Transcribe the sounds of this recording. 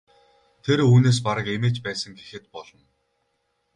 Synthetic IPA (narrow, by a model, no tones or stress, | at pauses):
t̪ʰeɾuːneːs̬paɾə̆kemeːt͡ɕpæːsə̆ŋɡexɘ̆t̪pɔɮɞ̆n